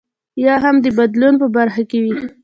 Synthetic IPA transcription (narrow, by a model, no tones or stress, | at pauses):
jɑɦamd̪əbad̪lunpəbaɾxakewi